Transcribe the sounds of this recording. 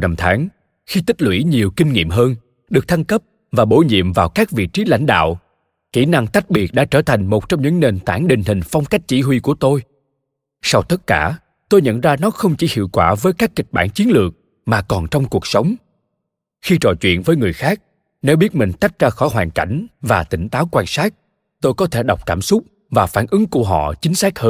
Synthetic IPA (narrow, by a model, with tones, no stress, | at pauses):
na˧mt̪ʰaː˨˦ŋ | xi˧t̪i˦˥t̚lwḭ˧˩˥ɲi˨˩əwkï˧ŋ̟ŋḭ˧˨əmɦəː˧n | ɗɨ˨˩ək̚t̪ʰa˧ŋkə˦˥p̚ | vaː˨˩ɓo˧˩ɲḭ˧˨əmvaː˨˩wkaː˦˥k̚vḭ˧˨t͡ɕi˨˦la̰˧˥jŋ̟ɗa̰ː˧˨w | ki˧˩na˧ŋt̪a˦˥jk̚ɓi˨˩ət̚ɗa̰ː˧˥t͡ɕəː˧˩t̪ʰa˨˩jŋ̟mo˨˩t̚t͡ɕɔ˧wŋ͡mɲɨ̰˧˥ŋne˨˩nt̪aː˧˩nɗï˨˩ŋ̟ɦï˨˩ŋ̟fɔ˧wŋ͡mka˦˥jk̟̚t͡ɕi˧˩ɦwi˧ku˧˩ət̪o˧j | sa˧wt̪ə˦˥t̚kaː˧˩ | t̪o˧jɲə̰˧˨nzaː˧nɔ˨˦xə˧wŋ͡mt͡ɕi˧˩hḭ˧˨əwkwaː˧˩vəː˨˦jkaː˦˥kːï˨˩ɓaː˧˩nt͡ɕi˨˦ənlɨ˨˩ək̚ | maː˨˩kɔ˨˩nt͡ɕɔ˧wŋ͡mku˨˩ək̚sə˨˦wŋ͡m | xi˧t͡ɕɔ̰˧˨t͡ɕwḭ˧˨ənvəː˨˦jŋɨ˨˩əjxaː˦˥k̚ | ne˨˦wɓi˦˥ət̚mï˨˩ŋ̟t̪a˦˥jk̚zaː˧xɔ˧˩jɦwaː˨˩nka̰˧˩jŋ̟vaː˨˩t̪ï˧˩ŋ̟t̪aː˨˦wkwaː˧nsaː˦˥k̚ | t̪o˧jkɔ˨˦t̪ʰe˧˩ɗa˨˩wk͡p̚kaː˧˩msʊ˦˥k͡p̚ | vaː˨˩faː˧˩nʔɨ˨˦ŋku˧˩əɦɔ̰˧˨t͡ɕï˨˦ŋ̟saː˦˥k̚həː˧n